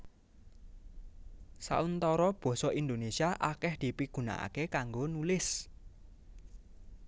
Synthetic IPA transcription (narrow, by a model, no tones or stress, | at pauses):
sa̰ʔunt̪ɔɾɔb̥ɔ̤sɔʔind̪onesiaʔakɛhd̪̥i̤piɡ̥ṳna̰ʔa̰kekaŋɡonulɪs